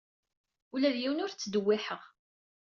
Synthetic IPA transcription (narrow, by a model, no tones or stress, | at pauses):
ulæðjiwənʊɾt͡sːd̪əwːɪħəʁ